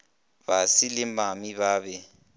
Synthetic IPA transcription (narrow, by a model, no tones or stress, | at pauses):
βasilɪmamiβaːβɛ